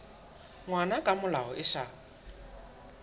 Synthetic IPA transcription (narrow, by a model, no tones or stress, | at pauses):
ŋwanakʼamʊlaɔʔɪʃaː